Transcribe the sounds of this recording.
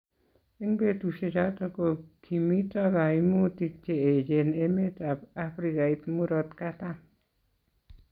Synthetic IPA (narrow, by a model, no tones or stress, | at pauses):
eŋbet̪uʃet͡ʃat̪akokʰimitaɡajmut̪ik̚t͡ʃeed͡ʒenemet̪apapɾikait̪muɾɔt̪kat̪a